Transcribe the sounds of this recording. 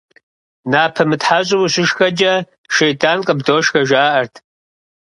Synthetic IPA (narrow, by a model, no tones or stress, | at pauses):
naːpʰɐmɨtħaɕʼɪwuɕʷɪʃxɐd͡ʒɐ | ʃejtʼʰaːnqʼəbdoːʃxɐʒaːʔɐrtʰ